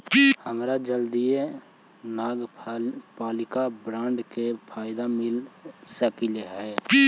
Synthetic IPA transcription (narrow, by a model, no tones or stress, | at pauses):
həmɾad͡ʒəld̪ije | naːɡ | paːlɪkabɾãːɳɖkepʰaːɪd̪amɪlsəkileɦɛː